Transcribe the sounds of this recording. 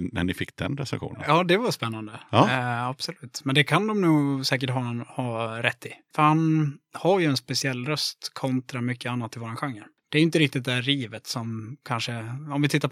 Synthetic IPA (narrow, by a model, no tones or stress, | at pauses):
næ̰ɳɪfɪkːd̪ɛ̰nɾɛ̰sɛ̰nɧṵːnə̰jɑːd̪ɛvaspɛnːand̪ə | ab̥sɔlʉ̟ːt̪mɛnd̪ɛkʰand̪ɔmnuːsɛːk̬əʈɦɑnhɑːɾɛt̪ʰːɪfœɾhanhaɾjɵɛnspɛsɪɛlːɾœst̪kʰɔnt̪ɾamʏkʰːəanːat̪ːɪvoːɾanɧaŋːəɾ | d̪̥ɛɾjʏɪnt̪əɾɪk̚t̪ɪt̪̚d̪ɛæɾiːvət̪sɔmkʰanʂəɔmvɪt̪ʰɪt̪ːap